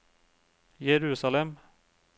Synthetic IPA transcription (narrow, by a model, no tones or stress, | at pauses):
jɛɾʉːsalɛm